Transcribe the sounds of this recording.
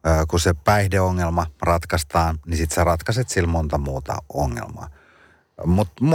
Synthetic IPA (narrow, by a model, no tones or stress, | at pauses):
kusepæihdeoŋːelmɑrɑt̪kɑst̪ɑːnnisit̪serɑt̪kɑset̪silmont̪ɑmuːt̪ɑ̰oŋːḛlmɑ̰ː | mut̪m